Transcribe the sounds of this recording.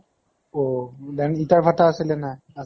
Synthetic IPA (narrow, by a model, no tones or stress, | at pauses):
odɛnitaɹbʱataːsilɛnaj | a